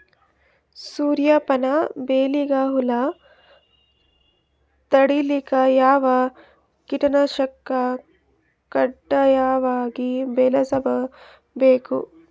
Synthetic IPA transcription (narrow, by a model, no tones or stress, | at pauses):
suːɾjɐpɐnɐbeːliɡaːɦulɐ | t̪ɐɽilikɐjaːʋɐ | kiʈɐnɐʃɐkːɐ | kɐɖːɐjaːʋaːɡibeːlɐsɐbʱɐ | beːkṵ